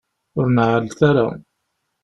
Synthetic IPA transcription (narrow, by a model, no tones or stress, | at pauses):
ʊɾnʕəlθaɾa̰